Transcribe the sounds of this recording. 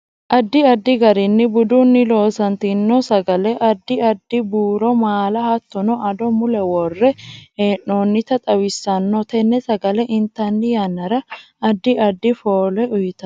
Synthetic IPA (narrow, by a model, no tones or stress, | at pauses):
ʔɐd̪ːɪɐd̪ːɪɡɐɾɪnːɪbʊd̪ʊnːɪlo̞ːsɐnt̪inːɔsɐɡɐlɛʔɐd̪ːɪɐd̪ːɪbuːɾɔmaːlɐhɐt̪ːɔnɔʔɐd̪ɔmʊlɛwɔrːɛeːʔoːnːɪt̪ɐt̪ʼɐwɪsːɐnːɔt̪ɛnːɛsɐɡɐlɛʔɪnt̪ːɐnːɪjɐnːɐɾɐ | ɐd̪ːɪɐd̪ːɪfoːlɛʊjɪt̪ɐ